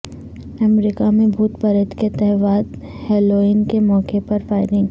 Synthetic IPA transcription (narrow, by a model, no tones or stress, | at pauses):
ɐmɾiːkamẽbʱuːt̪pɐɾɪt̪ket̪ɛɦʋaːd̪ | hɛːloːiːnkemɔːkepɐɾfaːɪɾɪ̃ŋɡ